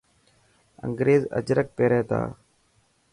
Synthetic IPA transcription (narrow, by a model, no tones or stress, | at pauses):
ə̰ŋɡɾeːzə̰d͡ʒɾək̚peːɾeːt̪a̰ː